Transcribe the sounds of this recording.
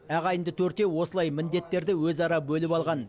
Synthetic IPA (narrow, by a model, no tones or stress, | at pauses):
æʁɑjənd̪ət̪ʰɵɾt̪ewo̞səlˠɑjmɪnd̪e̞t̪ːe̞ɾd̪ɪwɵzɑɾɑbɵlɪpɑlˠʁɑn